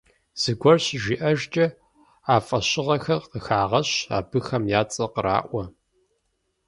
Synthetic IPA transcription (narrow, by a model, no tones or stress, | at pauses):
z̥ɨɡʷɔrɕʒiːʔɐʒt͡ʃʼɐ | aːfʼɐɕɪʁɐxɐrqəxaːʁɐɕa̰ːbɨxɐmjaːt͡sʼɐqəɾa̰ːʔʷɔ